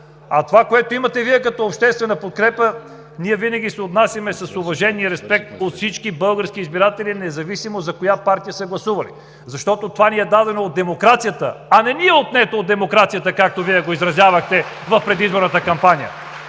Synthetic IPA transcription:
ɐt̪ovakoɛt̪oimɐt̪ɛviɛkɐt̪ɔopʃt̪ɛst̪vɛnəpot̪̚kɾɛpə | niɛvinɐɡʲisɛot̪nasʲjɐmɛsɐsovɐʒɛnːiəɾɛspɛk̚t̪̚ot̪fsit͡ʃkibɤlˠɡəɾsk̟iːzbiɾat̪ɛlinɛzɐvisimozɐkojapaɾt̪ijəsəɡlˠɐsuvɐlḭ | zɐʃt̪ɔt̪ot̪ovaniɛd̪ad̪ɛnoːd̪̚d̪ɛmokɾat̪sijət̪əɐnɛniɛot̪nɛt̪oːd̪ɛmokɾat̪sijət̪əkak̚t̪oviɛɡoizɾɐzʲjavɐxt̪ɛ | vɐfpɾɛd̪izboɾnət̪əkɐmpanijə̰

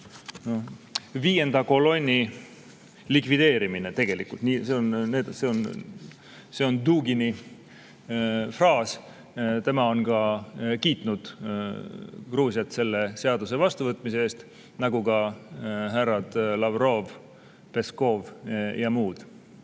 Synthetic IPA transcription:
noviːje̞nd̪ɑko̞lo̞nʲːi | likvid̪̥e̞ːɾimine̞t̪e̞ɡ̥e̞lḭkult̪niseonne̞ːd̪̥se̞on | se̞ond̪uːɡini | frɑːs | t̪e̞mɑo̞nkɑkiːt̪ˑnud̪̥ | kruːsiɑt̪se̞lːe̞se̞ɑd̪use̞vɑst̪uvɤt̪ːˑmis̬ee̞ːst̪ | nɑɡukɑ | ɦærːɑd̪̥lɑvro̞v | pe̞sko̞vjɑmuːd̪̥

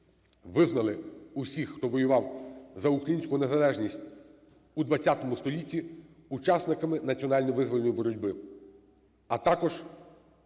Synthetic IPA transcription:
ʋɪznɐlˠɪusʲixːt̪ɔʋɔjʊʋɑwzɐukɾɐjinʲsʲkʊnezɐlˠɛʒnʲisʲtʲ | ud̪ʋɐt͡sʲːat̪ɔmʊst̪ɔlʲitʲːi | ut͡ʃɑsnɪkɐmɪnɐt͡sʲiɔnɑlʲnɔjʋɪzʋɔlʲnɔjibɔɾɔdʲbɪ | ɐt̪ɑkɔʒ̥

